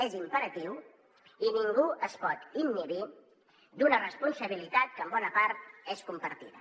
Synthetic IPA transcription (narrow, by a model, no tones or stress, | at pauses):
ezimpəɾət̪iw | iniŋɡuəspɔt̪imːiɾi | d̪unərəspunsəβ̞ilit̪at̪̚kəːmbɔnəpaɾt̪̚eskumpəɾt̪iðə̰